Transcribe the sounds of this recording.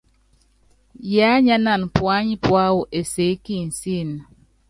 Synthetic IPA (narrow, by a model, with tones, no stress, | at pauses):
ja˨˦ɲa˦na˨n˨pwa˦ɲi˦pwa˦wu˨ʔe˨se˨˦ki˦˨n̩˨si˦˨n˨